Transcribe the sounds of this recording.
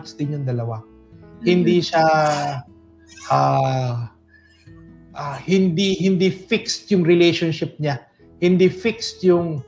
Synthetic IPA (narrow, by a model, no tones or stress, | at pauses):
ksd̪ɪnjʊŋd̪ɐlɐwa | hɪnd̪iʃa | ʔaː | ʔahɪnd̪ihɪnd̪ifɪkst̪jʊŋɾɪlɛjʃonʃɪp̚ɲa | hɪnd̪ifɪkst̪jʊŋ